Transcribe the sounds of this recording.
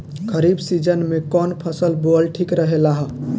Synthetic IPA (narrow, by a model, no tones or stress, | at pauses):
kʰəɾibsid͡ʒənmekɔnpʰəsəlbolʈʰikɾəɦelaɦ